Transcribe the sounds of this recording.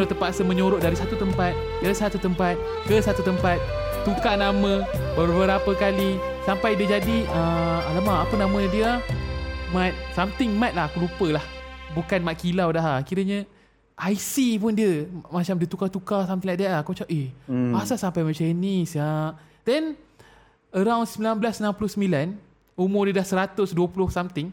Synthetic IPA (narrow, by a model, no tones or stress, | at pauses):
lot̪əmpasəmə̃ɲoɾoʔdaɾisat̪ut̪əmpat̪̚ | ɡalsat̪ut̪əmpat̪̚ | kəsat̪ut̪əmpat̪̚ | t̪ukanamə̃bəbəɾapəkali | sampajdiəd͡ʒadiəalamãːpənamə̃diə | mat̪̚samt̪ɪŋmat̪̚lahkulupəlahbukanmaʔ̪̚kilawdaɦakiɾəɲə̃ | ʔajsipʊndiəmat͡ʃamdiət̪ukat̪ukasamt̪iŋlaʔdaʔakot͡ʃaʔeasasampajmət͡ʃənisa | d̥ɛn | əɾawndsəmilanbəlasənãmpulʊhsəmilan | umʊrdiədahsəɾat̪ʊsduəpulʊhsamt̪ɪŋ